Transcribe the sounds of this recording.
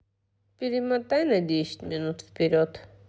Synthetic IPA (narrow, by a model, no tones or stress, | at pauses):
piɾimat̪ajnad̪iʃt̪mɛnut̪ʰpiɾɔt̪ʰ